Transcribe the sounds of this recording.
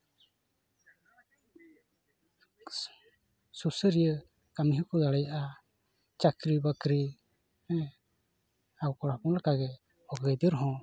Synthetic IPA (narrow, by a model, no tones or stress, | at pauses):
susəɾijə | kamiɦəkɔd̪aɽɛjaʔa | t͡ʃakɾibakɾi | awkɔɽapɔŋlakaɡɛ | ɔɡəjd̪əɾɦɔ̃